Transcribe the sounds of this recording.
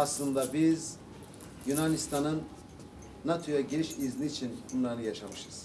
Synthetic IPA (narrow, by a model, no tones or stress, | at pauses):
aslˠɯnd̪abiz | junanist̪ʰanɯnː | at̪ʰojaɟeʃizniːt͡ʃʰinbunlˠaɾnɯjaʃamɯʃɯz̥